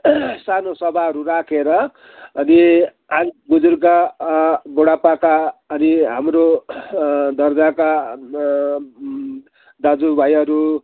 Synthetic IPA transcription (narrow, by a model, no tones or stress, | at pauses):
sanosʌbʱaʌɾuɾakʰeɾʌ | ʌni | aŋɡud͡zurka | boɽapakaːniɦamɾo | d̪ʌrd͡zaka | d̪ad͡zubʱajʌɾu